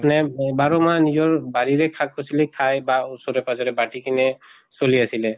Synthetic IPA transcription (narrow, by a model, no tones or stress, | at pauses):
apnɛbaɹɔmanizɔɹbaɹiɹɛkʰak̚ʰɔsilɛkʰajbausɔɹɛpazɔɹɛbaʈikinɛ | soliasilɛ